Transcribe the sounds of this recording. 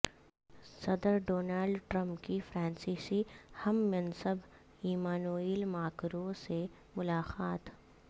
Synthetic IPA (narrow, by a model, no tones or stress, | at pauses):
sɐd̪əɾɖoːnaːlɖʈɾə̃mpkifʰɾɛ̃ːnsiːsihɐmːɐnsəb | iːmaːnoːiːlmaːkɾõse | mʊlaːqaːt̪